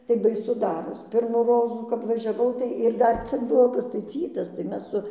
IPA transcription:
tɐɪ bɐɪˈsʊ ˈdɑːroːs ˈpʲɪrmuː ˈroːzuː kɐp ʋɐʒʲɛˈʋɐʊ ˈtɐɪ ɪr ˈdɐr ˈt͡sʲɪk ˈbʊʋoː pɐstɐˈt͡sʲiːtɐs tɐɪ ˈmʲɛs sʊ

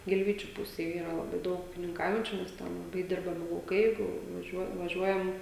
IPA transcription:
ɡʲɪlʲˈʋʲiːt͡ʃʲʊ ˈpʊsʲeːj ˈiːrɐ lˠɐˈbɐɪ ˈdɐʊk uːkʲɪnʲɪŋˈkɐʊjɛnʲt͡ʃʲʊ nʲɛs ˈtʲɛn lˠɐˈbɐɪ ˈdʲɪrbɐmʲɪ lˠɐʊˈkɐɪ ˈjɛɪɡʊ ʋɐˈʒʲuɔ ʋɐˈʒʲuɔjɛm

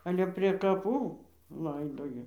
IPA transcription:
ˈɑːlʲɛ pʲrʲeː kɐˈpuː ˈlˠɐɪdoːjɛ

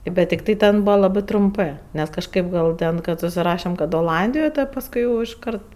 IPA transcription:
bʲɛt tʲɪkˈtɐɪ ˈtʲɛn ˈbuːʋɐ lˠɐˈbɜ trʊmˈpɜ nʲɛs kɐʃˈkɐɪp ˈɡɐlˠ ˈtʲɛn kɐt sʊsʲɪˈrɑːʃʲɛm kɐt oːˈlˠɐnʲdʲɪjoːj ˈtɐt pɐsˈkʊɪ jɛʊ ɪʃˈkɐrt

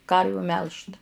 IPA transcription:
ˈkɐrʲʋʲuː ˈmʲɛlˠʃt

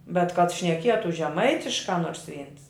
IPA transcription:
bʲɛt kɐt ʃʲnʲɛˈkʲiɛtʊ ʒʲɛˈmɐɪtʲɪʃkɑː ˈnoːrs ˈʋʲiːns

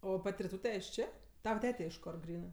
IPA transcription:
ˈoː ˈpɐtʲ rʲɪˈtuːtʲɛ ɪʃ ˈt͡ʃʲeː ˈtɑːʋɐ ˈtʲæːtʲɛ ɪʃ ˈkoːr ˈɡrʲiːnɜ

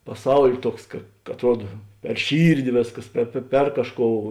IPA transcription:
pɐˈsɐʊlʲ ˈtuɔks kɐ ɐtˈruɔdɐ pʲɛr ˈʃʲiːrʲdʲɪ ˈʋʲeːsˌkɐs ˈpʲɛr pʲɛ pʲɛr ˈkɑːʃˌkoːʊ

